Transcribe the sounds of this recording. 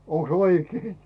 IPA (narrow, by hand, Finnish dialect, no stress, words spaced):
oŋks oikei